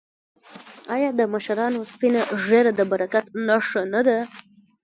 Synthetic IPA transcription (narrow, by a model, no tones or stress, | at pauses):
ɑjɑd̪əmaʃaɾɑnospinaʐeɾad̪əbaɾakat̪nɑʂanad̪a